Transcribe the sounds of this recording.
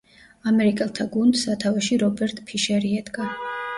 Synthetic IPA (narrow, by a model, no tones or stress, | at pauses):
amɛɾikʼɛlˠt̪ʰaɡund̪sat̪ʰavɛʃiɾɔbɛɾt̪ʼpʰiʃɛɾiɛd̪ɡa